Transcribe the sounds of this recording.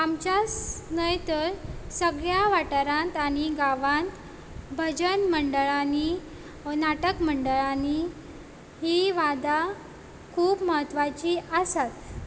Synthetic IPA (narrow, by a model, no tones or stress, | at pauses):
amt͡ɕasnəjt̪əɾsəɡɭjaʋaʈəɾãnt̪aɽ̃iɡaʋãnt̪ | bʱəd͡ʑənməɳɖəɭani | naʈəkməɳɖəɭani | ɦiʋad̪a | kʰuːbməɦət̪ːʋat͡ɕiəsat̪